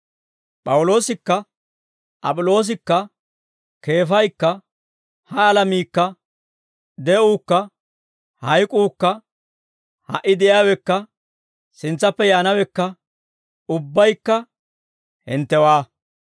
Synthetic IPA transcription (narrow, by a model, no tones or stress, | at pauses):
pʼɐwʊlo̞ːsɪkːɐ | ʔɐ̰pʼʊlo̞ːs̬ɪkːɐ | ke̞ːfɐjkːɐ | hɐːlɐmiːkːɐ | d̪ɛʔuːkːɐ | hɐjkʼuːkːɐ | hɐ̰ʔːɪd̪ɛʔjawɛkːɐ | sɪnt͡sːɐpːɛjaːnɐwɛkːɐ | ʊbːɐjkːɐ | hɛnt̪ːɛwaː